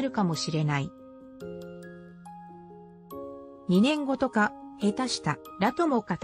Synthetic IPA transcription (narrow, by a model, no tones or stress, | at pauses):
ɾɯ̟kamo̞ɕiɾe̞nai | ɲ̟inẽ̞ŋɡo̞t̪o̞kahe̞t̪aɕi̥t̪aɾat̪o̞mo̞kat̪